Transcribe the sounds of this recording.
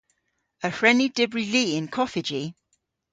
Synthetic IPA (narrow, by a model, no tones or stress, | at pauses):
əhɹɛnidɪbɹiliːɪ̃nkʰɒfɪd͡ʒi